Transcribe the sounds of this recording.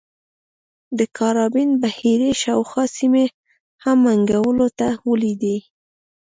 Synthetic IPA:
d̪əkaɾɑbinbahiɾeʃawxɑsime | hamːaŋɡawəlot̪awəlid̪e

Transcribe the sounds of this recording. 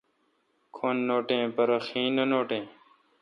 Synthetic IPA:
kʰoːnːoːʈẽːpəɾəxĩːnənoːʈẽː

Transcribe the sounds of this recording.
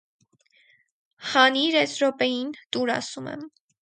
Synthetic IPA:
χɑniɾɛsɾɔpɛjint̪uɾɑ̰sumɛ̰m

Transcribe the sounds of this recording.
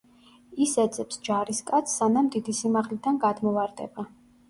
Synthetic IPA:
isɛd̪zʼɛpsd͡ʒaɾiskʼat̪sʰːanamd̪id̪isimaʁlid̪anɡad̪mɔvaɾd̪ɛ̰ba

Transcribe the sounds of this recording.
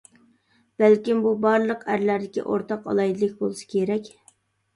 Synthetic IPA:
b̥ælkʲimbubɑɾlˠəqʰæɾlæɾd̪ɪkʲḭʔo̰ɾt̪ʰɑqɑ̰lˠɑjd̪ɨlˠɨkʲbolˠɨsɨ̥kʲʰeɾɛkʲ

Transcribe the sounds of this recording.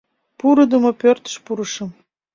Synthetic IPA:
puɾɤ̆d̪ə̆mŏpørt̪ə̥̆ʃpuɾɤ̆ʃɤ̆m

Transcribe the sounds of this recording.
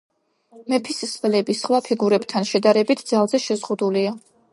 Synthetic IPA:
mɛpʰissvlɛbisχwapʰiɡuɾɛbt̪ʰanʃɛd̪aɾɛbit̪ʰd̪zalˠzɛʃɛzʁud̪ulia

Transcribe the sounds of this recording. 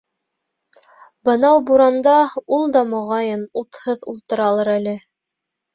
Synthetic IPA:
bɤ̆nɑwbuɾɑnd̪ɑulˠd̪ɑmŏʁɑjɤnut̪hɤðulˠt̪ɤ̆ɾɑlˠɤɾælɘ

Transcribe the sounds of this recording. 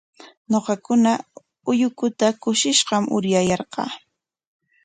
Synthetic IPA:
ɲoqɑkʊna | ʊjʊkʊt̪akʊʃɪʃɢɑmʔʊ̰ɾjajɑɾqɑ̰ː

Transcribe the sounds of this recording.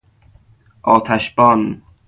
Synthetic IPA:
ʔɒːt̪ʰæʃbɒn

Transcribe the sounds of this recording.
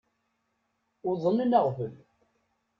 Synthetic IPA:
ʊðˤənːənəʁvəl

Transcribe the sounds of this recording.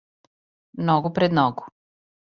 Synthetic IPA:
nɔɡupɾɛd̪nɔɡu

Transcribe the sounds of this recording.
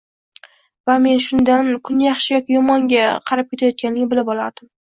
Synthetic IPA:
vame̞nʃʊnd̪ankʰʊnjɑχʃɪjɒkʲɪjɒmɒŋɡʲaqʰɑɾap̚kʲe̞t̪ʰajɒt̪̚kʲanlɪɡʲɪbɪlɪbɒlˠaɾd̪̥ɪm

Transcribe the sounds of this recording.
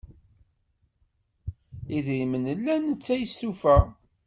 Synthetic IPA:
iðɾimənəlːænət͡sːæjsθufæ

